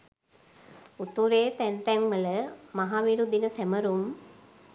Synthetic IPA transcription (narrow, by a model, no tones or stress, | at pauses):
ut̪uɾeːt̪ænt̪ɛŋʋələmaɦaːʋiɾud̪inəsæməɾum